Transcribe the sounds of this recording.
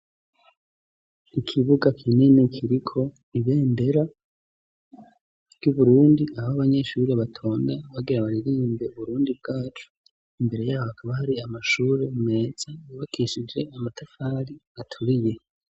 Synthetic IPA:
ikʰiβuɡakʰininekʰiɾikʰo̞ | iβe̞ːnde̞ɾa | ɾɟuβuɾuːndiahhoaβaɲe̞ʃuːɾeβatʰo̞ːndaβaɡiɾaβaɾiɾiːmbe̞uβuɾuːndib̚ɡaːt͡ʃu̥ | imbe̞ɾe̞jaːβohakʰaβahaɾiamaʃuːɾemume̞ːz̥ajaβakʰiʃid͡ʒe̞amatʰafaːɾiatʰuɾije̞

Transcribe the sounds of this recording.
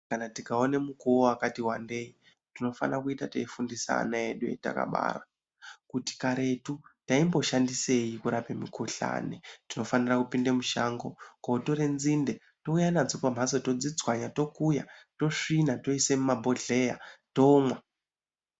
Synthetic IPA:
kanatikaone̞mukuoakatiwa̰nde̞i | tino̞fa̰nakuitateifundisa̰ːnaeɗuḛta̰ka̰ɓa̰ːra̰ | kuti̥kaɾe̞tutaimbo̞ʃandise̞jikuɾapemikuɬa̰ne̞tino̞fanirakupindemuʃa̰ŋɡo̞kautoɾe̞nzinde̞ | to̞ujanad͡zupam̤aso̞to̞d͡zid͡zwaɲato̞kujato̞ʂinato̞isemumabʱo̞ɮe̞ja̰to̞mwa

